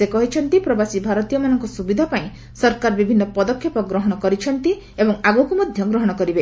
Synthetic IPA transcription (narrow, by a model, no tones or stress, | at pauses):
sekɔɦit͡ʃʰɔnt̪ipɾɔbasibʱaɾɔt̪ijɔmanɔŋkɔsubid̪ʱapaĩ | sɔɾkaɾɔbibʱinːɔpɔd̪ɔkʰːepɔɡɾɔɦɔɽ̃ɔkɔɾit͡ʃʰɔnt̪i | ebɔŋaɡukumɔd̪ʱjɔɡɾɔɦɔɽ̃ɔkɔɾibe